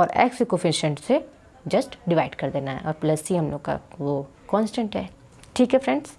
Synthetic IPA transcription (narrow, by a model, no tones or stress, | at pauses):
ɔːɾɛ̰ːksikofɪ̃nʃə̃ɳʈse | d͡ʒɐsʈɖɪʋaːɪɖkɐɾd̪eːnaɦɛ̰ʔɔːɾplɐsiɦɐmlo̰ːɡka̰ʋo | kɔːnsʈə̃ɳʈɦɛː | ʈʰiːkɦɛfɾɛ̃ɳɖs